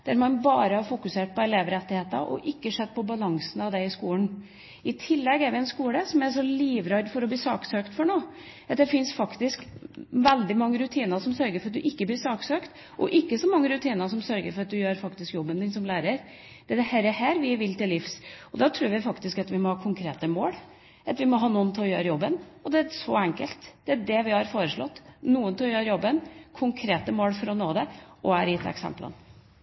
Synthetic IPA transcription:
d̪̥æɾmɑnbɑːɾəhɑɾfʊkʉseːʈ̚pɔɛleːʋɾɛt̪ːɪheːt̪ə̰ʔɔ̰ʔɪkːəʂɛt̪ːpɔbɑlɑŋsn̩ɑʋd̪ɛɪskuːən | ɪt̪ʰɪlːɛɡæɾʋɪɛnskuːləsɔmæɾʂɔliːʋɾɑɾd̪fɔɾɔbliːsɑːksøːkt̪fɔɳoː | ɑt̪d̪ɛfɪnsfɑkt̪ɪskʋɛld̪ɪmɑŋːəɾʉt̪ʰiːnəsɔmsœɾɡəɾfɔɾɑt̪̚d̪ʉʔɪkːəbliːɾʂɑːksøːkt̪ | ʔɔ̰ʔɪkːəsɔmɑŋːəɾʉt̪ʰiːnəsɔmsœɾɡəɾfɔɾɑt̪̚d̪ʉjøːɾfɑkt̪ɪskjɔbːənd̪ɪnsɔmlæːɾəɾ | d̪̥ɛæd̪ɛhɛɾəhæːɾʋɪʋɪlt̪ɪlːɪfsɔd̪ɑt̪ʰɾuːɾʋɪfɑkt̪ɪskɑt̪ʋɪmɔhɑːkʰʊŋkʰɾeːt̪əmoːɽ | ɑt̪ʋɪmɔɦɑːnuːənt̪ʰɪlɔjøːɾəjɔbːənɔd̪ɛæʂɔɛŋkəlt̪d̪̥ɛæɖɛʋɪhɑɾfoːɾəʂɭɔ̰t̪ːnuːənt̪ʰɪlɔjøːɾəjɔbːənkʰʊŋkʰɾeːt̪əmoːlfɔɾɔnoːd̪ɛʔɔæɾɪt̪ʰɛ̰ksɛ̰mplʔə̰n

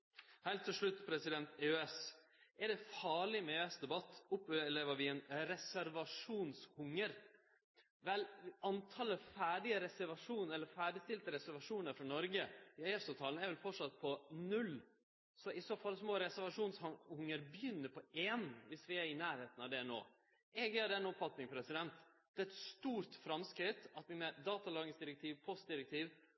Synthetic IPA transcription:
hɛɪlt̪ʰːɪlʂɭʉt̪ːpʰɾɛsɪd̪ɛnt̪eøɛs | ʔɛɖɛfɑːɭɪmɛøːɛsd̪ɛbɑt̪ːʊpːleːʋəɾʋɪɛnɾɛsæɾʋɑʂuːnshʊŋːəɾ | ʋɛlɑnt̪ʰɑːləfæːɖɪəɾɛsæɾʋɑʂuːnɛlːəɾfæːɖɪst̪ɪlt̪əɾɛsæɾʋɑʂuːnəɾfɾɑnɔɾɡəɪœɛfsɑʋt̪ʰɑːlnɛɾʋɛlfɔʈʂɑt̪̚ːpʰɔnʉl | sɔʔɪsoːfɑlsmoːɾɛsæɾʋɑʂuːnshhʊŋːəɾbjʏnːəpʰɔʔeːnʋɪsʋɪæɾɪnæːɾheːt̪n̩ɑʋd̪ɛno̰ː | ʔɛɡjæːɖɛnːɔpfɑt̪nɪŋpʰɾɛsɪd̪ɛnt̪d̪̥ɛːɛt̪st̪uːɾt̪fɾɑmskɾɪt̪ɑt̪ʋ̪ɪnɛd̪ɑːt̪ɑlɑːɡɪŋsd̪ɪɾɛk̚t̪ʰiːʋpʰɔst̪̚d̪ɪɾɛk̚t̪ʰiːʋ

